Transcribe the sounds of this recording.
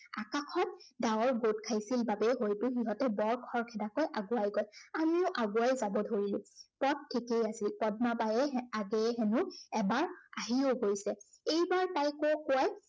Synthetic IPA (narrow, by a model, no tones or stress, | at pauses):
a̰kakʰɔt̚dawɔɹɡot̚kʰajsilbabɛɦojpʊxiɦɔtɛbɔɹkʰɔɹkʰɛdakojʔaɡuajɡɔjamiʊʔaɡuajzabɔdʱoɹilʊ̃pɔt̚tʰːikejasilpɔd̚mapajɛaɡɛɦɛnʊɛbaɹaɦioɡojsɛejbaɹtajkokʊaj